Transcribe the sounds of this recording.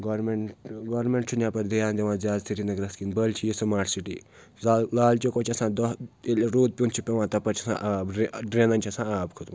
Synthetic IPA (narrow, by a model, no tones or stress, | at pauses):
ɡoɾmeɳʈɡoːɾmeɳʈt͡ʃʰunʲjaːpɐɾd̪ijaːnd̪eʋãːzjaːd̪siʈinɐɡɾɐskinbɐlt͡ʃʰijisɐmaːʈʰsiʈiː | laːlt͡ʃokoːt͡ʃʰiɐsãːd̪ɔelɾoːd̪̚pʲunt͡ʃʰipʲeʋãːt̪ɐpɐɾt͡ʃʰiɐsã̰ːʔaːbɾɖɾenɐnʲt͡ʃʰiɐsãːaːbkʰut̪umː